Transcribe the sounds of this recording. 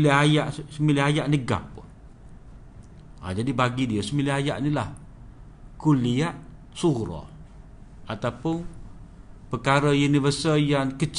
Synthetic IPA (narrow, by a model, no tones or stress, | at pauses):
ləɦajaʔsəmilɪɦajaʔnəɡa̰p̚ːʊ | a̰d͡ʒadibaɡidiəsəmilɪɦaja̰ʔnilah | kuliaʔ | suɾɔ̰ | at̪awpʊn | pəkaɾəjunivəsəjankət͡ʃ